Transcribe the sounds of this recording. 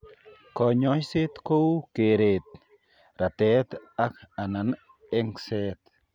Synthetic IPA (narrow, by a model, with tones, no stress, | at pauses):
ko˨ɲojse˦t̪ko˦wke˨ɾet̪̚ | ɾa˨t̪e˦t̪a˦ka˨na˨n | e˦ŋset̪